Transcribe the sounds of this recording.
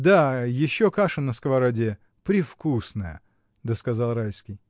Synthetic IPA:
d̪ajɪɕːokaʂɨnəskvɐɾadʲe | pɾʲɪfkusnəjə̰ | d̪əskɐzɑlˠrajskʲɪj

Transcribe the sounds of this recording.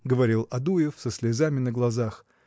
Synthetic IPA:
ɡəvɐɾʲilˠɐd̪ujɪfsəsʲlʲɪzamʲɪnəɡlˠɐzax

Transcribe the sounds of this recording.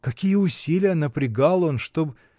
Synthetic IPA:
kɐkʲijəʊsʲilʲɪjənəpɾʲɪɡalˠo̞nʂt̪o̞b

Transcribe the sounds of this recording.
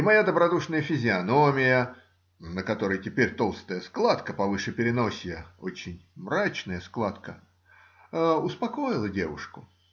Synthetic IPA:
ɪmɐjad̪əbɾɐd̪uʂnəjəfʲɪzʲɪɐnomʲɪjə | nəkɐt̪o̞ɾəjtʲɪpʲeɾʲt̪o̞lˠst̪əjəsklˠat̪kəpɐvɨʂɨpʲɪɾʲɪno̞sʲjəo̰t͡ɕɪnʲmrat͡ɕnəjəsklˠat̪kə | əʊspɐko̞jɪlˠədʲe̞vʊʂkʊ

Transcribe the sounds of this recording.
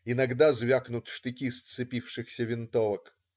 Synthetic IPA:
ɪnɐɡd̪azvʲaknʊt̪ʂt̪ɪtʲist̪sɨpʲifʂɨxsʲəvʲɪnt̪ovək

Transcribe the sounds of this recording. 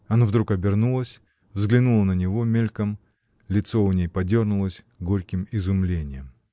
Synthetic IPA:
ɐnavd̪ɾukɐbʲɪrnulˠəsʲ | vzɡlʲɪnulˠənənʲɪvo̞mʲelʲkəm | lʲɪt̪so̞nʲejpɐdʲornʊlˠəsʲ | ɡoɾʲkʲɪmɪzʊmlʲenʲɪjəm

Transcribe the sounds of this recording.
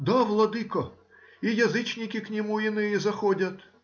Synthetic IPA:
d̪aʋlˠɐd̪ɨkɐ | ijɐzɨt͡ʃnʲɪkʲɪknʲɪmuinɪjizɐxɔdʲɐt̪

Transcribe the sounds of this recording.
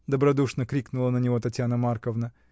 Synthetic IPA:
d̪əbɾɐd̪uʂnəkɾʲiknʊlˠənənʲɪvo̞t̪ɐtʲjanəmarkəvnə

